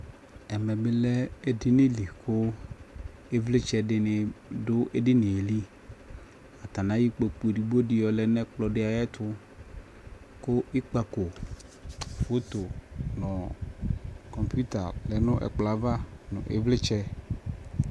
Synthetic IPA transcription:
ɛ˨mɛ˨bɪ˦lɛ˦e˦dɪ˦nɪ̃˦li˨kʰʊ˦ | e˦vlɪ˦t͡ʃɛ˦dɪ˦nɪ̃˨dʊ˦ʔe˦dɪ˦nɪ̃˨e˨li˦ | a˨t̪a˨nã˦ji˦k͡po˨k͡pu˨di˨bo˦dɪ˨jɔ˨lɛ˨nɛ̃˦k͡plɔ˨ɖɪ˦a˨jɛ˦t̪ʰʊ˦ | kʊ˦ɪ˦k͡pa˨ko˨ | fo˦t̪o˨nɔ̃˨ | kɔ˨mpu˦t̪a˨lɛ˨nʊ̃˦ʔɛ̰˨k͡pla˨va˦nʊ̰̃˨ʔḛ˨vlɪ˦t͡ʃɛ˦

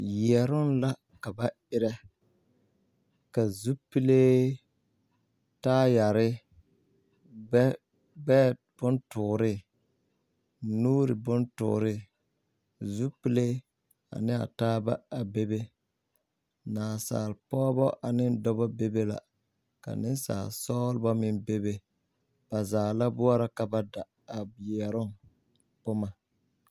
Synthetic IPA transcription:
jɛ˨ɾʊ˦n˦la˦ | ka˨ba˦ | ɪ˦ɾɛ˦ | ka˨zu˦pi˦le˦ | taː˦ja˨ɾɪ˦ | bɛ˦ | b̥ʊ˦ntʊ˨ɾɪ˦ | nuː˦ɾɪ˨bʊ˦ntʊ̰˨ɾɪ˦ | zu˦pi˦le˦ | a̰˨nɪ˦a̰˨taː˦ba˦a˨be˦be˦ | naː˨sa̰ː˨lpɔː˦bɔ˦ʔa˨nɪ˦n˦dɔ˦bɔ˦be˦be˦la̰˨ | ka̰˨nɪ˦nsa̰ː˨lsɔː˦lbɔ˦mɪ̃˦nbe˦be˦ | b̥a˨zaː˨la˦bʊ˦ɔ˦ɾa˦ka˨ba˦da˨ | a˨bi˨ɛ˨ɾʊ˦ŋ | pʊ˦ma˨

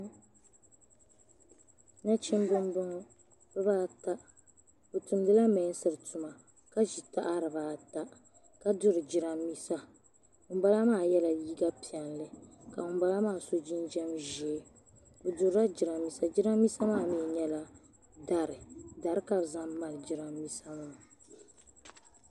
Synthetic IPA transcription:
na˦t͡ʃɪ˦m˦bɨ˦m˦bʊ˦ŋɔ˦ | bɨ˦baː˦ta˦ | bo˨tu˨mdɨ˦la˦mɛ˨˦n˦sɨ˨ɾɨ˨tu˨ma˨ | ka˦ʒi˨ta˦ʔa˦ɾɨ˨baː˦ta˦ | ka˦dʊ˦ɾɨ˨d͡ʒi˨ɾa˨mːi˦sa˦ | ʊ˨m˦ba˦la˦maː˦˨jɛ˦la˨ji˦ɡa˦pi˨ɛ˨nlɨ˦ka˨ʊ˨m˦ba˦la˦maː˦˨so˦d͡ʒi˦nd͡ʒɛ˦mʒɛ˨˦ | o˨dʊ˨ɾa˦d͡ʒi˨ɾa˨mːi˦sa˦d͡ʒi˦ɾa˦mː˦i˦sa˦maː˦˨mi˦˨ɲɛ˦la˦ | da˦ɾɨ˨da˨ɾɨ˦ka˦bza˦mːa˨lɨ˨d͡ʒi˨ɾa˦mːi˦sa˦maː˦˨

